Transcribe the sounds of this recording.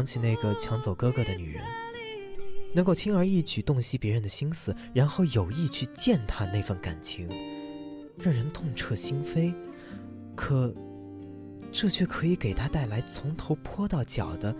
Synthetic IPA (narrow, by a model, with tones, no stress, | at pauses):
ŋt͡ɕʰi˨˩ne˥˩ɪɡə˩t͡ɕʰjɑ˧˥ŋt͡so˨˩ʊkɤ˥kɤ˧˥d̪ə˧ny̰˨˩ɻə̰˧˥n | nɤ˧˥ŋko˥˩t̪ʰi˥ŋə˞˧˥i˥˩t͡ɕʰy˨˩t̪ʊ˥˩ŋɕi˥pjɛ˧˥ɻə˧˥nd̪ə˨ɕi˥ŋsɹ̩˨˩ | ɻa˧˥nxo˥˩ʊjo˨˩ʊi˥˧t͡ɕʰy˥˧t͡ɕjɛ˥˩nt̪ʰa˥ne˥˧ɪfə˥˩nka̰˨˩nt͡ɕʰi˧˥ŋ | ɻɑ˥˩ŋɻə˧˥nt̪ʰʊ˥˧ŋʈ͡ʂʰɤ˥˩ɕi˥ŋfe˥ɪ | kʰɤ˨˩˦ | ʈ͡ʂɤ˥˧t͡ɕʰɥɛ˥˩kʰɤ˧˥i˨˧˥ke˨˩ɪt̪ʰa˥t̪a˥˩ɪla˧˥ɪt͡sʰʊ˧˥ŋt̪ʰo˧˥ʊpʰwɔ˥t̪ɑ˥˩ʊt͡ɕjɑ˨˩ʊd̪ə˦